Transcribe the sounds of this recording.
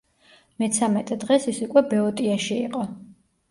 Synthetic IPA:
mɛt̪sʰamɛt̪ʼɛd̪ʁɛsisukʼwɛbɛɔt̪ʼiaʃiiqʼɔ

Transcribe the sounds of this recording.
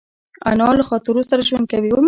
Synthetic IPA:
a̰nɑlaxɑt̪ɪɾosaɾaʒwand̪̚kawiwəm

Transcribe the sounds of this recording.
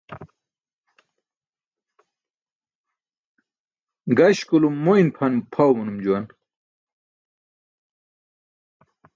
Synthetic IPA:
ɡɐɕkulumːoinpʰɐnumpʰɐwmunumd͡ʑuwɐn

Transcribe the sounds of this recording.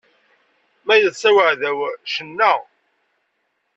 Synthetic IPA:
mæjəðsæwəʕðæwʃənːæ

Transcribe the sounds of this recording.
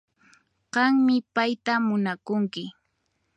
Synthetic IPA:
ɢɑŋmɪpajt̪amʊnakʊŋkɪ

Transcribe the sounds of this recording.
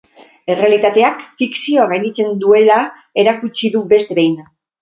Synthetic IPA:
e̞re̞alit̪at̪e̞akfiksio̞aɣajnit͡se̞nd̪ue̞la | e̞ɾakut͡ʃiðube̞st̪e̞βejna

